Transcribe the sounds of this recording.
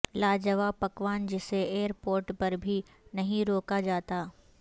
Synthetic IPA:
laːd͡ʒəʋapɐkʋaːnd͡ʒɪseeːəɾpoːɾʈpɐɾbʱi | nɐɦĩɾoːkad͡ʒaːt̪aː

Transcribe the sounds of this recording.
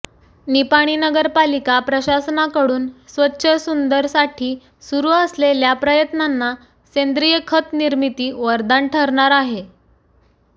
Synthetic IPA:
nipaɽ̃inəɡəɾpalikapɾəɕasnakəɽuːnsʋətːɕʰəsund̪əɾsaʈʰiː | suɾuːəsleljapɾəjət̪nanːa | send̪ɾijəkʰət̪niɾmit̪iːʋəɾd̪aɳʈʰəɾɳaɾaɦe

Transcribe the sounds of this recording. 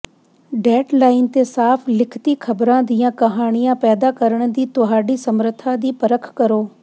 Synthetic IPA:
ɖɛːʈlaːɪnt̪esaːpʰlɪkʰt̪ikʰɐbɾãd̪iːãkɐɦaːɽ̃ijãpɛːd̪akəɾəɽ̃d̪iːt̪ʊɦaːɖisɐmɾət̪ʰad̪iːpɐɾəkʰkɐɾoː

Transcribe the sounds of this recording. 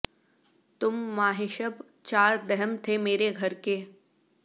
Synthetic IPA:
t̪ʊmːaːɦeʃəb | t͡ʃaːɾd̪ɛɦəmt̪ʰemeːɾeɡʱɐɾke

